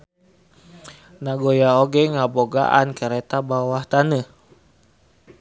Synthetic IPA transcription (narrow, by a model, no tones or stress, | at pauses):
naɡojaoɡɛŋaboɡa̰ʔa̰nkəɾɛt̪abawaht̪anə